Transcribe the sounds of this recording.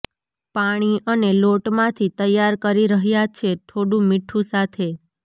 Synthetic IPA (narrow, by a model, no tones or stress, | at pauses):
paɽ̃iʔəneloʈmãt̪ʰit̪əjːaɾkəɾiɾəɦjat͡ʃʰet̪ʰoɽũmiʈʰũsat̪ʰe